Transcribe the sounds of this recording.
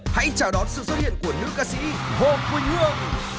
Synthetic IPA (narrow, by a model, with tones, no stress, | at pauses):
ha̰˧˥jt͡ɕaː˧˩wɗɔ˨˦nsɨ̰˧˨swə˦˥t̚hi˧˨ə˨nku˧˩ənɨ̰˨˦˥əkaː˧sḭ˧˥ | ho˧˩mku˧˦jɲɨ˦˥əŋ̚